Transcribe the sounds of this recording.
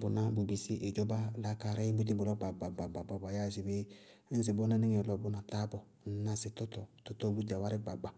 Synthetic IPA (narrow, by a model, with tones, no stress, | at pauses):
bʊ˨na˦bu˨bi˨si˦ʔe˨d͡ʒɔ˦ba˦la˦ka˨ɾe˦bu˦di˦bʊ˨lɔ˦ɡ͡ba˨ɡ͡ba˨ɡ͡ba˨ɡ͡ba˨ba˨ba˨ja˦˨si˨be˦ | n̩˦s̬ɪ˨bɔ˦nɛ˦nɪ˦ŋe˨lɔ˨bʊ˦na˨ta˦bɔ˨ | n̩˨˦na˦sɪ˨tɔ˦tɔ˨tɔ˦tɔ˦bu˦da˨wa˦ɾɪ˦ɡ͡ba˨ɡ͡ba˨